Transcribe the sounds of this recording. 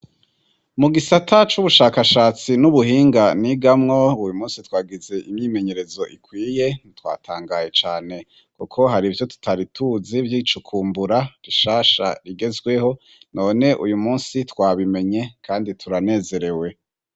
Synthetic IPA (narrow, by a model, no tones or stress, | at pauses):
muɡisatʰat͡ʃuβuʃaːkaʃaːt͡sinuβuhiːŋɡaniɡamŋo̞ujumuːnsitwaːɡize̞ʔimɲiːme̞ɲe̞ɾe̞zo̞ʔikwiːje̞nitwa̰ːtʰaːŋɡaje̞t͡ʃaːne̞ | kukʰo̞ɦaɾivjo̞tu̥tʰaɾitʰuzivjiːt͡ʃukʰuːmbuɾaɾiʃaːʃa̰ɾiɡe̞zɡwe̞ho̞ | no̞ːne̞ʔṵjumuːnsitwaːβime̞ɲe̞kʰaːnditʰuɾane̞ːze̞ɾe̞we̞